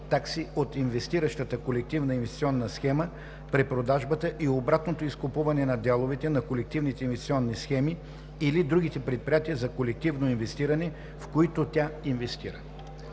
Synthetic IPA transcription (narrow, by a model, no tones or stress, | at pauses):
t̪aksiot̪invɛst̪iɾəʃt̪ət̪əkolɛk̚t̪ivnəinvɛst̪i̥tsiɔnːəsxɛmə | pɾipɾod̪aʒbət̪əʔiobɾat̪not̪oiskopuvɐnɛnɐd̪ʲalˠovɛt̪ɛnɐkolɛk̚t̪ivnit̪ɛinvɛst̪i̥siɔnːisxɛmi | ilid̪ɾuɡ̟it̪ɛpɾɛt̪̚pɾijat̪iɛzɐkolɛk̚t̪ivnoinvɛst̪iɾɐnɛ | fkoit̪ot̪ʲainvɛst̪ḭɾə